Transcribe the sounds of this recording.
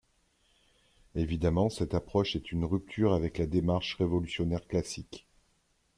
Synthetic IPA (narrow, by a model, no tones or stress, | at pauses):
evid̪amɑ̃sɛt̪apχɔʃɛt̪ynʁyp̚t̪ʰyʁavɛklad̪emaʁʃʁevɔlysjɔnɛʁklasik